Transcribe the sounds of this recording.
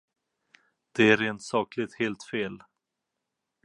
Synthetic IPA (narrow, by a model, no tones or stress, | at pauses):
d̪̥ɛæɾɾeːnt̪sɑːklɪt̪heːlt̪feːl